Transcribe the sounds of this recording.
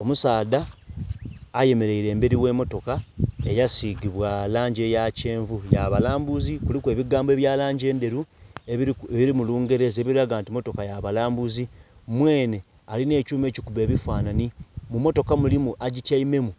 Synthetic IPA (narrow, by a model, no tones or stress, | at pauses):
o̞musaːda | je̞me̞ɾeiɾe̞ːmbe̞ɾiwe̞ːmo̞to̞kae̞jasiɡiβwalaːɲɟe̞jace̞ːɱvujaβalaːmbuzikulikwe̞ːβiɡaːmboe̞βjaːlaːɲɟe̞ːnde̞ɾueeβiɾimuluːŋɡe̞ɾe̞zeːβiɾiɾaɡaːntimo̞to̞kajaβalaːmbuzimwe̞ːne̞ | aline̞ːcuːme̞ːcikuβe̞ːβifaːnanimumo̞to̞kamulimuʔaɟitaime̞mu